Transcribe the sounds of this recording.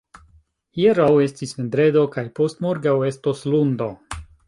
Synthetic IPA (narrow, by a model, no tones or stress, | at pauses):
jeɾawe̞stismend̪ɾe̞d̪o̞kajpo̞stmo̞ɾɡawe̞stoslundo